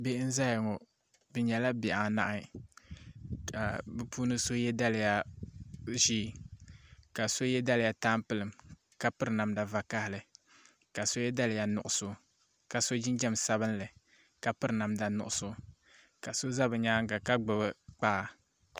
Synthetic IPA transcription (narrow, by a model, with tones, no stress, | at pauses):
be˦ʔn̩˦za˦jɪ˨ŋɔ˨ | bɨ˨ɲɛ˨la˦bɪ˨ʔa˨na̰˦ʔa˦ | ka˨bɨ˦puː˦nɨ˦so˦jɛ˦da˦lɨ˨ja˦ | ʒiː˦˨ | ka˨so˦jɛ˦da˦lɪ˨ja˨taː˦mpɨ˦lɨ˨m | ka˨pɨ˦ɾɨ˨na˨mda˨va˨ka˦hɪ˨lɨ˨ | ka˨so˦jɛ˦da˦lɨ˨ja˨nʊ˨ʔʊ˨sʊ˦ | ka˨so˦d͡ʒɪ˦nd͡ʒɛ˦msa˦βɨ˦n˦lɨ˨ | ka˨pɨ˦ɾɨ˨na˨mda˨nʊ̰˨ʔʊ˨sʊ˦ | ka˨so˦za˦bɨ˨ɲa˦ŋɡa˨ka˦ɡ͡bɨ˨bɨ˦k͡paː˦˨